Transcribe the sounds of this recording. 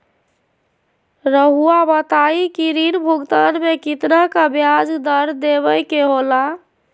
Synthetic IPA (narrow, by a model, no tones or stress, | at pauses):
ɾəɦuabət̪aikiɾinbʱuɡt̪ənmekit̪nəkbjad͡ʒd̪əɾd̪eβəjkeɦola